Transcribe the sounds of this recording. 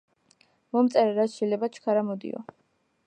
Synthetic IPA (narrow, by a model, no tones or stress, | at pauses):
mɔmt̪sʼɛɾɛɾatsʃɛjlɛbat͡ʃʰkʰaɾamɔd̪ḭɔ̰